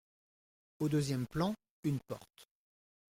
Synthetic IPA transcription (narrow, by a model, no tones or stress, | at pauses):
od̪øzjɛmplɑ̃ | ynpɔ̰ʁt̪